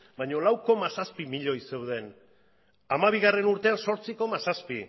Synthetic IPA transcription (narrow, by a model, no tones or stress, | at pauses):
baɲo̞lawko̞masaspimiʎo̞ise̞wðe̞n | amaβ̞iɣare̞nuɾt̪e̞anso̞ɾt͡siko̞masaspi